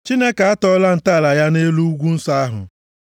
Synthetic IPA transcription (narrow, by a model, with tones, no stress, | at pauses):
t͡ʃi˦ne˦ka˨a˦tɔ˦la˦n̩˨ta˦˨la˨ja˦ne˦lu˦ɡʷu˦n̩˦sa˦a˦ɦʊ̰˨